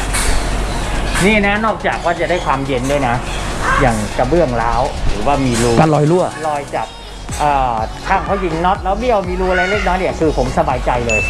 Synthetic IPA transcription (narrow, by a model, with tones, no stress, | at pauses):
niː˥˩na˦˥nɔː˥˩k̚t͡ɕaː˨˩k̚waː˥˩t͡ɕa˨˩da˥˩jkʰwaː˧mje˧ndu˥˩jna˦˥jaː˨˩ŋka˧bɯ˥˩əŋlaː˦˥wɾɯː˩˦waː˥˩miː˧luː˧˩ka˧lɔː˧jlu˥˩ɐlɔː˧jt͡ɕa˨˩p̚ | ʔɤː˨˩t̪ʰaː˥˩ŋkʰa˦˥wji˧nːɔ˦˥t̪̚lɛː˦˥wbi˥˩əwmiː˧luː˧˩ʔa˧ɾa˧jle˦˥k̚nɔː˦˥nʔi˨˩kʰɯː˧pʰo˩˦msa˧baː˧jt͡ɕa˧jlɤː˧j